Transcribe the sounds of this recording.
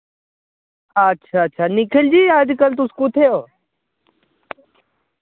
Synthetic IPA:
ətːʃʰaːɐtːʃʰanɪkʰɪld͡ʒiːaːd͡ʒ̪kəlt̪̬ʊskut̪ʰejoː

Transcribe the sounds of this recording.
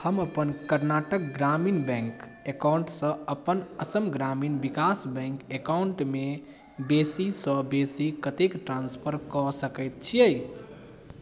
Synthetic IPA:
həməpənkəɾnaʈək̚ɡɾaminbɛ̃ŋk | ekawɳʈsə̃əpənəsəmɡɾaminbikasbɛ̃ŋkekauɳʈme | besisə̃besikət̪ekʈɾanspʰəɾkɔsəkəɪt̪̚t͡ʃʰiəj

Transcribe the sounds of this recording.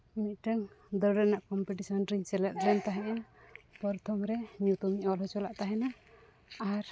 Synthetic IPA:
mit̪̚ʈəŋd̪əɖɛnaʔkɔmpɛʈisɔnɾiɲt͡ʃɛlɛt̪̚d̪lɛnt̪aɦɛ̃ʔapɔɾt̪ʰɔmɾɛmut̪ɔmiʔɔlɦɔt͡ʃɔlaʔt̪aɦɛna | aɾ

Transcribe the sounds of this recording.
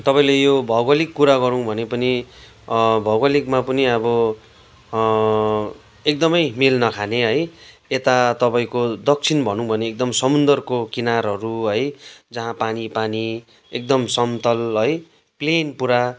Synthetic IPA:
t̪ʌpaĩlejobʱʌwɡʌlikːuɾaɡʌɾũbʱʌnepʌni | bʱʌwalikmapʌniʌbʌ | ek̚d̪ʌmʌjmilnʌkʰaneɦʌj | et̪at̪ʌpaĩkod̪ʌk̚t͡sʰinbʱʌnũbʱʌneːk̚d̪ʌmsʌmund̪ʌrkokinarɦʌɾuɦʌjd͡zʌɦãpanipani | ek̚d̪ʌmsʌmt̪ʌlɦʌj | plenpuɾa

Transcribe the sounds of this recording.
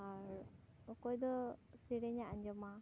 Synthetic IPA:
aɾ | ɔkɔjd̪ɔsiɾɛɲaʔaɲd͡ʒɔma

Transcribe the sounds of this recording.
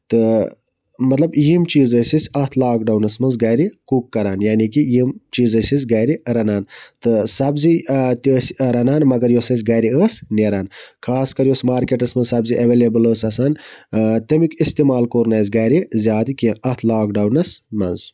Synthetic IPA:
t̪ɨ | mɐt̪lɐbjimt͡ʃiːzəsisʲɐt̪ʰlaːkɖɐwnɐsmɐnzɡɐːɾikukːɐɾaːnjaːnikijimt͡ʃiːzɐsis̬ʲɡɐjɾiɾɐnaːnt̪ɨsɐbzit̪iəsɾɐnaːnmɐɡɐɾjosɐs̬ʲɡɐːɾiəːsneɾaːnkʰaːskɐɾjosmaːɾkeʈɐsmɐnzsɐbziʔɐʋeːlebɨləːsɐsaːnt̪emikist̪emaːlkoːɾnɐːz̬ɡɐjɾizʲjaːt̪ikiɐt̪ʰlaːkɖɐwnɐsmɐ̰nz

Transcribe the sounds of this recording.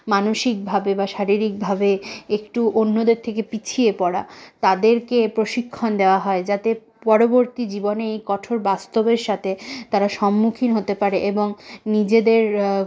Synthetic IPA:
manoʃik̚bʱabebaʃaɾiɾik̚bʱabeekʈuʔonːod̪eɾt̪ʰekepit͡ɕʰiepɔɽa̰t̪ad̪eɾkepɾoʃikʰːond̪eoaɦɔed͡ʑat̪e | pɔɾoboɾt̪id͡ʑiboneejkɔʈʰoɾbast̪obeɾʃat̪ʰet̪aɾaʃɔmːukʰinɦot̪epaɾeʔeboŋnid͡ʑed̪eɾ

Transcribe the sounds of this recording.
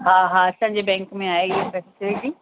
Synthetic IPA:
ɦãːɦaɐsãɲd͡ʑebɛ̃ːŋkmẽaːeɪɦefɛːsɪlɪʈi

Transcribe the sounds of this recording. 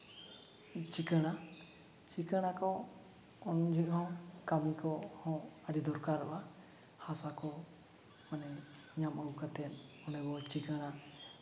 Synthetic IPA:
t͡ʃikəɽ̃a | t͡ʃikəɽ̃akɔ | ɔnd͡ʒikɦɔ̃kamikɔhɔ̃aɖid̪ɔɾkaɾɔ̰ʔa | hasakɔ | mɔnɛ | ɲamaukat̪ɛn | ɔnɛbɔt͡ʃikəɽ̃a

